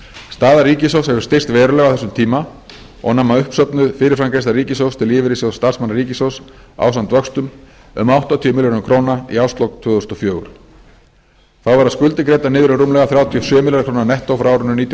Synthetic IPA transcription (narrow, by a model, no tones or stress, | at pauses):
st̪aːðaɾiːcɪs̬owshɛvʏ̥st̪er̥st̪vɛːɾʏlɛɣawθɛsʏmt̪ʰiːma | ɔ̰ɣnamːaʏhpsœpnʏðfɪːɾɪɾfɾamkɾejsaɾiːcɪsowst̪ʰɪlɪːvɪɾɪsoɣst̪ar̥smanaɾiːcɪsowsa̰ːwsant̪vœkst̪ʏm | ʏ̰mawht̪ɔt̪ʰiːʏmɪljɔnʏkʰɾoːnaḭawst̪lɔwkt̪ʰʏːðθɔst̪ɔfjœːɣʏɾ | θawvaɾaðskʏlt̪ɪkɾeːjt̪anɪːðɾʏɾumlɛɣaθɾjawt̪ʰiɔsjœːmiljaɾkʰɾownanɛht̪owfɾaːwɾʏnʏniːt̪j